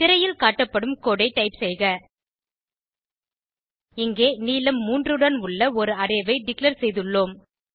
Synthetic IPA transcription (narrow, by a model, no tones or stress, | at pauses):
t̪ɪɾɐjɪlkaːʈːɐpːɐɽɯmkoːɽɐɪʈːɐɪpsɛjɣɐ | ɪŋɡeːniːlɐmːuːndrɯɽɐnʊɭːɐɔɾɯɐɾɐjʋɐɪɖɪklɐɾsɛjðɯɭːoːm